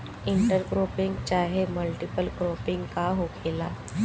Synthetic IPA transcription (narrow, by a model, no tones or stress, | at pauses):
ɪ̃ɳʈəɾɡɾoːpɪ̃ŋɡt͡ʃaːɦeməlʈɪpəlɡɾoːpɪ̃ŋɡkaɦoːkʰeːlaː